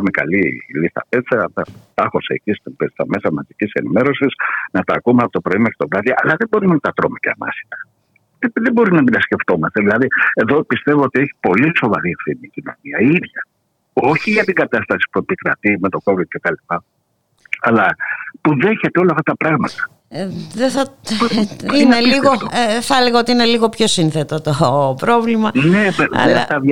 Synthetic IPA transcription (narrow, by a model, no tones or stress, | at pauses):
ɐmekɐ̰lilisθɐ̰pet͡sɐt̪ɐt̪ɐxo̞seːcist̪pst̪ɐme̞sɐmɐzicise̞nime̞ɾo̞sisnɐt̪ɐːkumeɐpot̪opɾo̞imɐcet̪ovɾɐðiʔɐlɐðe̞bo̞ɾimnt̪ɐt̪ɾo̞meceɐ̰mɐ̰si̥t̪ɐ̥ | ðebo̞ɾinɐminɐsce̞ft̪o̞mɐst̪eðilɐðie̞ðo̞pist̪e̞vo̞ot̪ie̞çi̥po̞liso̞vɐɾiefθinicino̰niɐiðʝɐ | o̞çiʝɐt̪iŋɡɐt̪ɐst̪ɐsi̥pue̞pikɾɐ̰t̪imet̪o̞ko̞vid̪̥̚cet̪ɐlipɐ | ɐlɐpuðe̞çe̞t̪eolɐft̪ɐt̪ɐpɾɐɣmɐt̪ɐ̥ | ðeθɐ | ineliɣoθɐleɣɐot̪iine̞liɣo̞pço̞sinθet̪ot̪opɾo̞vlimɐnḛeɐv